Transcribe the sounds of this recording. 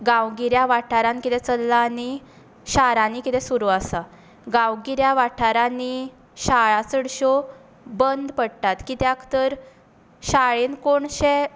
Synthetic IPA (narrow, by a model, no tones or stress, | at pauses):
ɡãwɡiɾjaʋaʈʰaɾãnkit̪ɛt͡səlːaːni | ɕaɾãnikit̪ɛ̃suɾuasa | ɡãwɡiɾjaʋaʈʰaɾani | ɕaɭasəɽɕo | bənd̪pəɽt̪at̪kit̪jãkʰt̪əɾ | ɕaɭenkoɳɕe